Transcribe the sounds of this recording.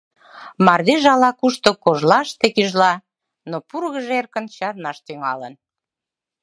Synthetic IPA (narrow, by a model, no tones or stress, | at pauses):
mɑrd̪eʒɑlɑkuʃt̪okoʒlɑʃt̪ekiʒlɑ | nopurɣəʒerkənt͡ɕɑrnɑʃt̪yŋɑlən